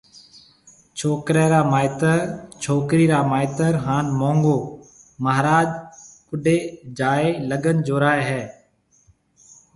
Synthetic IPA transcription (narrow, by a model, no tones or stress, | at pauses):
t͡ʃʰoːkɾeːɾaːmaːɪt̪əɾt͡ʃʰoːkɾiːɾaːmaːɪt̪əɾɦaːnmõːŋɡoː | məɦɾaːd͡ʒkʊɗeːd͡ʒaːeːləɡənd͡ʒoːɾaːeɦɛː